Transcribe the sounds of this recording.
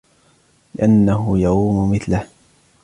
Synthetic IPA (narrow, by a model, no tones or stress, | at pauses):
lɪʔanːaɦʊjɑquːmʊmɪθlah